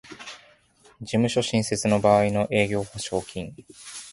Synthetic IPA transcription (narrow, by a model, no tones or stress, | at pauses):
d͡ʑimɯ̟ɕo̞ɕĩse̞t͡sɨno̞baːino̞ʔe̞ːɡʲo̞ːhaɕo̞ːkʲʰĩŋ